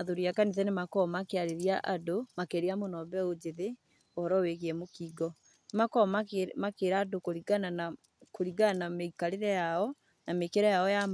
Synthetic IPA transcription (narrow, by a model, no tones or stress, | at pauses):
aðoɾiakaniðɛnemakɔmakeaɾeɾiaʔadomakeɾeamonɔbɛod͡ʑeðe | ɔhɔɾɔweɣeɛmokiːɡɔ | nemakɔmamakeɾaːdokoɾiɡanana | koɾiɡanameikaɾeɾɛjaɔ | namekeɾɛjaɔja